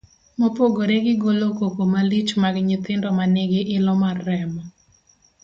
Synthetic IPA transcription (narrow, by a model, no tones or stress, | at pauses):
mopoɡoɾeɡɪɡolokokomalit͡ʃmaɡɲɪt̪ɪndɔmaneɡeʔɪlɔmarɛmɔ